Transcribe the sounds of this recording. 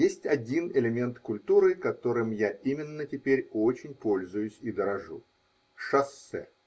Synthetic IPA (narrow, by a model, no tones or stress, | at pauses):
jesʲtʲɐdʲinɪlʲɪmʲe̞nt̪kʊlʲt̪uɾɨkɐt̪o̞ɾɨmjaʔimʲɪnːətʲɪpʲeɾʲo̞t͡ɕɪnʲpo̞lʲzʊjʊsʲid̪əɾɐʐu | ʂɐsːɛ̰